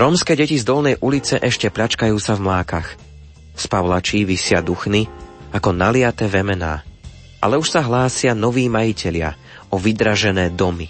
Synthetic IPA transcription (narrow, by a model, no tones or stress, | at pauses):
ɾɔːmskɛːɟɛcizd̪ɔlnɛjʔulit͡sɛʔɛʃcɛpʎat͡ʃkajuːsavmlaːkax | spaʋlat͡ʃiːʋisɪad̪uxniakɔnalɪat̪ɛːʋɛmɛna̰ː | ʔa̰lɛuʃsaɦlaːsɪanɔʋiːmajicʰɛʎɪa̰ | ɔʋid̪ɾaʒɛnɛːd̪ɔmi